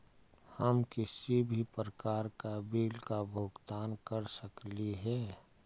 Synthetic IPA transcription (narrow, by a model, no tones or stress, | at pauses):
həmkɪsibʱipɾəkaːɾkabiːlkabʱoːɡt̪aːnkəɾsəkliɦɛː